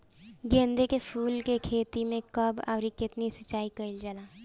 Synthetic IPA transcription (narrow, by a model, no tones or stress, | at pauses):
ɡẽːnd̪ekepʰuːlkekʰeːt̪imẽkɐba̰ːɾikɪt̪nisɐt͡ʃːaːikɐɪld͡ʒəlaː